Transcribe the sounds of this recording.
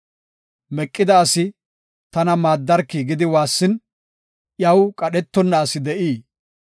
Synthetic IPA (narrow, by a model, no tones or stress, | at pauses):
mɛkʼːɪd̪ɐːsɪ | t̪ɐnɐmaːd̪ːɐɾkːiɡɪd̪ɪwaːsːɪn | ʔjɐwkʼɐɗɛt̪ːɔnːɐːsɪd̪ɛʔiː